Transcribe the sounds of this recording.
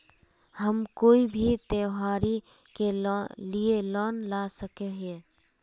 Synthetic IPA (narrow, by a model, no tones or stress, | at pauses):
həmkoːibʱit̪eːɦaːɾi | kelielɔːnlaːsəkeɦe